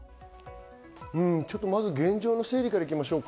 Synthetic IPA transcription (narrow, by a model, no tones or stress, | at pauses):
ɯ̟̃ɴt͡ɕo̞t̪ːo̞mazɨɡẽ̞ɲd͡ʑo̞ːno̞se̞ːɾʲikaɾaikʲimaɕo̞ːk